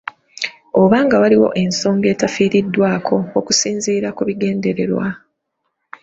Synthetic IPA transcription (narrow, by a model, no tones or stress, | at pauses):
oβaːŋɡawaliwo̞̰ʔe̞nso̞ːŋɡe̞ːtafiːɾidːwaːkʰo̞okusiːnziːɾakuβiɡe̞ːnde̞ɾe̞̰ɾwa̰